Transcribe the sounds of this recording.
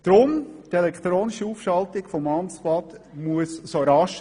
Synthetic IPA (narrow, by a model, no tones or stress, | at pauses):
d̥ɾʊmtɛlɛkʰt̪ɾoːnɪʃiufʃɑltɪɡ̥fɔmɑnsplɑt̪muəssoɾɑʃ